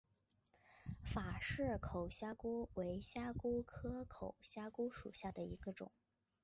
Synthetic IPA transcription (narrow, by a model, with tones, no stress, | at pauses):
fa˨˩ʂɻ̩˥˩kʰo˨˩ʊɕja˥ku˥we˧˥ɪɕja˥ku˥kʰɤ˥kʰo˨˩ʊɕja˥ku˥ʂṵ˨˩ɕja˥˩d̪ə˩i˧˥ɡə˧ʈ͡ʂʊ̰˨˩˦ŋ